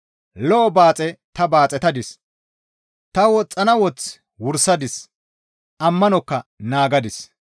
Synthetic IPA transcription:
lɔːbaːt͡sʼɛt̪ɐbaːt͡sʼɛt̪ɐd̪ɪs | t̪ɐwɔt͡sʼːɐnɐwɔt͡s | wʊɾsɐd̪ɪs | ʔɐmːɐnɔkːɐnaːɡɐd̪ɪs

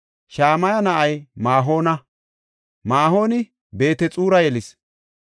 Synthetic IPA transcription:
ʃaːmɐjɐnɐʔɐjmaːɦo̞ːnɐ | maːɦo̞ːnɪ | be̞ːt̪ɛt͡sʼuːɾɐjɛlɪs

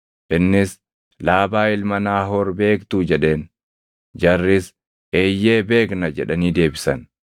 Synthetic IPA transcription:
ʔɪnːɪs | laːbaːɪlmɐnaːɦɔɾbe̞ːkt̪uːd͡ʒɛᶑe̞ːn | d͡ʒɐrːɪs | ʔeːjːe̞ːbe̞ːknɐd͡ʒɛᶑɐniːd̪e̞ːbɪsɐn

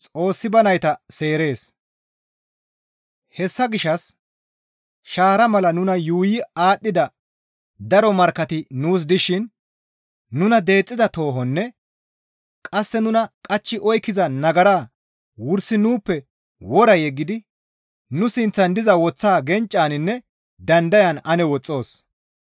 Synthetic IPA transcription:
t͡sʼo̞ːsːɪbɐnɐjt̪ɐse̞ːɾe̞ːs | hɛsːɐɡɪʃːɐs | ʃaːɾɐmɐlɐnʊnɐjuːjɪaːɗːɪd̪ɐ | d̪ɐɾɔmɐɾkːɐt̪ɪnuːs̬d̪ɪʃɪnː | ʊnɐd̪e̞ːt͡sʼːɪzɐt̪o̞ːɦɔnːɛ | kʼɐsːɛnʊnɐkʼɐt͡ʃːɪʔɔjkːɪzɐnɐɡɐɾaː | wʊɾsɪnuːpːɛ | wɔɾɐjɛɡːɪd̪ɪ | nʊsɪnt͡sːɐnd̪ɪzɐwɔt͡sːaːɡɛnt͡ʃʼːaːnɪnːɛ | d̪ɐnd̪ɐjɐnɐnɛwɔt͡sʼːo̞ːs

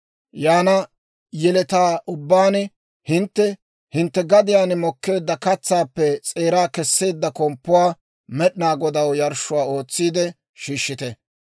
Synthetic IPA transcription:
jaːnɐ | jɛlɛt̪aːʔʊbːaːnɪ | hɪnt̪ːɛ | hɪnt̪ːɛɡɐd̪ɪjaːnɪmɔkːe̞ːd̪ːɐkɐt͡sːaːpːɛt͡sʼe̞ːɾaːkɛsːe̞ːd̪ːɐkɔmpːʊwaː | mɛɗɪnaːɡɔd̪ɐwjɐɾʃʊwaːo̞ːt͡sːiːd̪ɛ | ʃiːʃːɪt̪ɛ

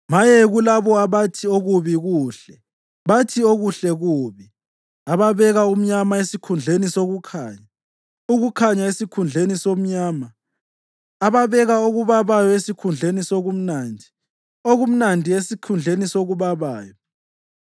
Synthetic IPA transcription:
majeɣulaβɔaβatʰioɣuβiɣuːɬɛ | βatʰioɣuɬɛɣuːβi | aβaβɛɣaum̩ɲamaesikʰund͡ɮʱenisoɣukʰaːɲa | uɣukʰaɲaesikʰund͡ɮʱenisom̩ɲaːma | aβaβɛɣaoɣuβaβajɔesikʰund͡ɮʱenisoɣum̩naːndʱi | oɣum̩nandʱiesikʰund͡ɮʱenisoɣuβaβaːjɔ

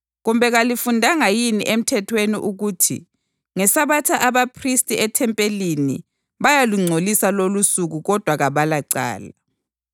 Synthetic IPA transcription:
ɣumbʱɛɣalifundʱaŋajinḭʔem̩tʰɛtʰwenḭʔuɣuːtʰḭ | ŋɛsaβatʰaʔaβapʰristʼiɛtʰɛmpʼelinḭ | βajaluŋ͡ǀʱolisalolusuɣuɣɔd̥ʱwaɣaβalaǀa̰ːla

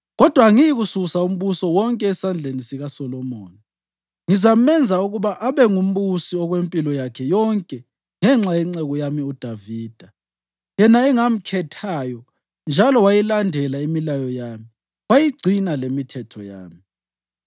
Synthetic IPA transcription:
ɣɔd̥ʱwaŋijiɣususaum̩βusɔwɔŋkʼɛːsand͡ɮʱenisiɣasɔlɔmɔːni | ŋizamɛnd͡zʱauɣuβaʔaβɛŋum̩βusiɔɣwempʼilɔjakʰɛjɔŋkʼɛ | ŋɛŋ͡ǁajɛŋ͡ǀɛɣɔjamiud̥ʱaviːd̥ʱa | jɛnaɛŋam̩kʰɛtʰajɔ | nd͡ʒʱalɔwajilandʱɛlaimilajɔjaːmi | wajiɡ͡ǀʱinalemitʰɛtʰɔ̰ja̰ːmi

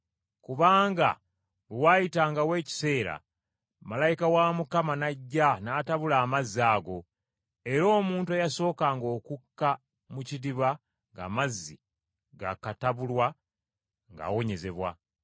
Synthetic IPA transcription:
kuβaːŋɡa̰ | βewaːjitaːŋɡawe̞ːci̥se̞ːɾa̰ | malajikawamukamanaɟːanaːtaβulaːmaziaːɡo̞ | e̞ɾo̞ːmuːntuajaso̞ːkaːŋɡo̞ːkukːa | mucidiβa | ŋɡa̰ːmazːḭ | ɡa̰kataβulwa | ŋɡa̰ːwo̞ɲe̞ze̞βwa̰

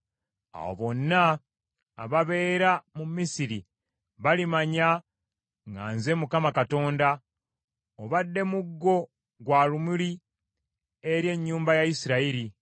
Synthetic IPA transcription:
a̰wo̰βo̞nːa̰ː | βaβe̞ːɾamumisiɾi | βalimaɲa | ŋɡa̰ːnze̞mukamakato̞ːnda | oβadːe̞muɡːo̞ | ɡwaːlumuli | eɾje̞ɲːuːmbajajisiɾaiɾi

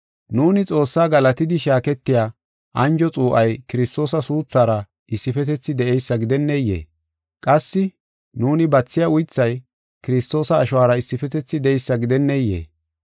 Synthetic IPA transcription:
nuːnɪt͡sʼo̞ːsːaːɡɐlɐt̪ɪd̪ɪʃaːkɛt̪ːɪjaː | ʔɐnd͡ʒɔt͡sʼuːʔɐjkɪɾɪst̪o̞ːsɐsuːt͡sːaːɾɐ | ʔɪsːɪfɛt̪ɛt͡sːɪd̪ɛʔɛjsːɐɡɪd̪ɛnːɛjːḛː | kʼɐsːɪ | nuːnɪbɐt͡sːɪjaʊjt͡sːɐj | kɪɾɪst̪o̞ːsɐːʃʊwaːɾɐɪsːɪfɛt̪ɛt͡sːɪd̪ɛɛjsːɐɡɪd̪ɛnːɛjḛː

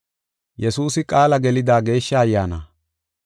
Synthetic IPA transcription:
jɛsuːsɪkʼaːlɐɡɛlɪd̪aːɡe̞ːʃːɐːjːaːna̰ː

